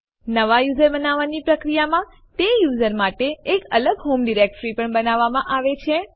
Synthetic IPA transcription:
nəʋajuzəɾbənaʋanipɾəkɾijamã | t̪ejuzəɾmaʈeːkələɡɦomɖiɾek̚ʈɾipəɳbənaʋːamãʔaʋet͡ʃʰe

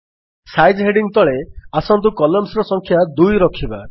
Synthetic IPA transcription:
sajd͡ʒɦeɖiŋt̪ɔɭeasɔnt̪ukɔlɔmsɾɔsɔŋkʰjad̪ujɾɔkʰiba

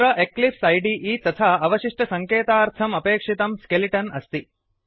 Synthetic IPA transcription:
ɾɐʔeklipsɐjɖiʔiːt̪ɐt̪ʰaːɐʋɐʃiʂʈɐsɐŋkeːt̪aːɾt̪ʰɐmɐpeːkʂit̪ɐmskeliʈɐnɐst̪i

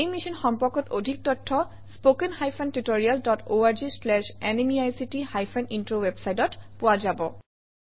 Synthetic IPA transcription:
ejmisɔnxɔmpɔkɔtodʱik̚tɔtʰːɔ | spokenxajpʰantutoɹialdɔtʰoaɹd͡ʒislɛʃɛnemiajsitihajpʰɛnintɹowebsajtɔtpʊwazabɔ

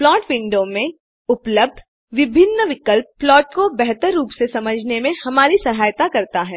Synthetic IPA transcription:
plɔːʈʋɪ̃ɳɖomẽ | ʊpləb̚d̪ʱ | ʋɪbʱɪnːəʋɪkəlpːlɔːʈkobɛɦt̪əɾːuːpsesɐməd͡ʒʱnemẽhɐmaːɾisɐɦaːjt̪akɐɾt̪aɦɛː

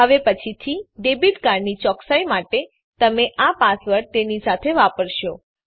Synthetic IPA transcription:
əʋepət͡ʃʰit̪ʰiɖebiʈkaɾnit͡ʃɔksajmaʈe | t̪əmeʔapasʋəɾt̪enisat̪ʰeʋapəɾʃo

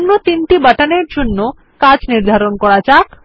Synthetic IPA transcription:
nːot̪inʈibaʈaneɾd͡ʑonːo | kad͡ʑniɾd̪ʱaɾonkɔɽat͡ɕak

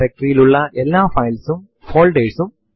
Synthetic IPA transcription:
ɾek̚ʈrijiluɭːɐʔelːaːfɐjlsum | foːɭɖeːsum

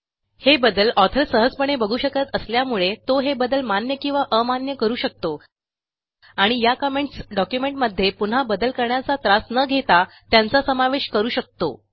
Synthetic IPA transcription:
hebəd̪əlɔt̪ʰəɾsəɦəd͡zpəɳ̃ebəɡʱuːɕəkət̪əsljamuɭet̪oɦebəd̪əlmanjəkĩw̃ʋaʔəmanjəkəɾuːɕək̚t̪o | aɽ̃ijakəmeɳʈsɖɔkjumeɳʈməd̪ʱːjepun̤abəd̪əlkəɾɳjat͡sat̪ɾasnəɡʱet̪a | t̪jant͡sasəmaʋeɕkəɾuːɕək̚t̪o̰

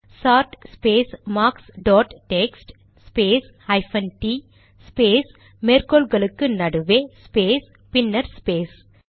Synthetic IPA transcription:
saːɾʈspeːsmaːksɖɔːʈʈeksʈ | speːs | hɐjfʰɐnʈiː | speːs | meɾkoːlɡɐlɐkːɨnɐɖuʋespeːs | pinːɐɾspeːs

